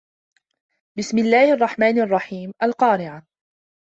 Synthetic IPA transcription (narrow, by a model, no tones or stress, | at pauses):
bɪsmɪlːaːhʔɑrˤːɑħmaːnʔɑrˤːɑħiːmʔalqɑːɾɪʕa